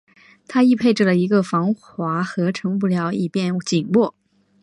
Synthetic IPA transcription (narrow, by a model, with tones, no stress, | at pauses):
t̪ʰa˥i˥˧pʰe˥˧ɪʈ͡ʂ̩˥˩lə˩i˧˥ɡə˧fɑ˧˥ŋxwa˧˥xɤ˧˥ʈ͡ʂʰɤ˧˥ŋpu˥˩ljɑ˧˥ʊi˥˩pjɛ˥˩nt͡ɕi˨˩ŋwɔ˥˩